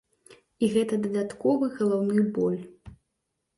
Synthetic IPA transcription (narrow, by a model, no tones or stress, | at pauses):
iɣɛt̪ɐd̪ɐd̪at̪kɔvɨɣɐlˠawnɨbɔlʲ